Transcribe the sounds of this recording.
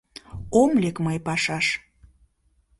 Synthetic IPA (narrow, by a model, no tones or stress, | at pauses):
omlekməjpɑʃɑʃ